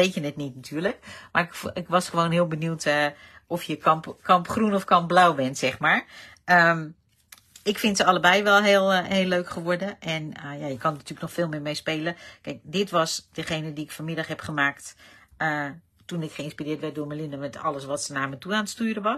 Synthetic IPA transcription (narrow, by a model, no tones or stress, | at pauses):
ʋetjənɛtnitnatʰyːɹləkmarɪkɪkʋɔsχəʋoːnɦɪəlˠbənjuːtʰɔfjəkɔmpkʰɑmpχrunɔfkɑmp̚blawbɛntsɛxmaːɹ | əm | ɪkfɪntsəɑləbɛjʋɛlˠɦeːlˠheːlːøːkχəʋɔɹdəʔɛnəjajəkɔnnatyːələknɔxfɪːlˠmɪːmejspeːləkɛjk̚dɪtʋɔsdəxeːnədiɪkfɔmɪdaxɦɛpχəmaːktə | tunɪkχəɪnspirɪːtʋɛt̚dʊːməlɪnəmɛtʰɔ̰ləsʋɔtsənaɹmətuaːntstyːɾəʋɔ